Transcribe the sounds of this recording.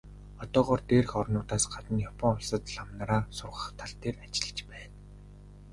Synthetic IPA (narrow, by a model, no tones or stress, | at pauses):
ɔt̪ɔːʁɔːrt̪eːrxɔrnʊːt̪aːsɢ̥at̪ə̆njɔpʰɔŋʊɮsə̆t̪ɮamnaɾaːsʊrʁə̆χt̪ʰaɮt̪eːrat͡ɕɪ̆ɮt͡ɕpæːn